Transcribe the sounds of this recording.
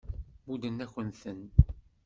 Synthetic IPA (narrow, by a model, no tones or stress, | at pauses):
bud̪ənːæçənθən